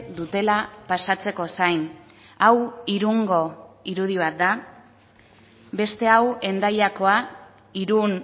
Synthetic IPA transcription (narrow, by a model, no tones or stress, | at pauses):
d̪ut̪e̞lapasat͡se̞ko̞sajn | awiɾuŋɡo̞iɾuð̞iβ̞at̪̚d̪a | be̞st̪e̞awe̞nd̪ajako̞a | iɾun